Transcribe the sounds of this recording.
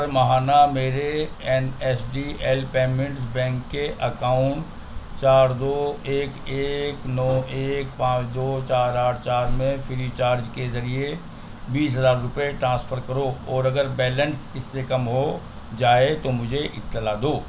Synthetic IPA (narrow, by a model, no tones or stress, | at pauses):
ɾmɐɦaːnameːɾeɛnɛsɖiɛlpeːmɪ̃ɳʈs̬bɛ̃ːŋkːeʔɐkaːʊ̃ɳʈ | t͡ʃaːɾd̪oːeːkeːknɔːeːk̚pãːt͡ʃd̪oːt͡ʃaːɾaːʈʰt͡ʃaːɾmẽfʰɪɾit͡ʃaːɾd͡ʒkezɐɾie | biːsɦɐzaːɾːʊpeʈɾãːspʰəɾkɐɾoɔːɾɐɡəɾbɛːlə̃nsɪsːekɐmɦo | d͡ʒaːet̪omʊd͡ʒʱeʔɪt̪ːɪlad̪oː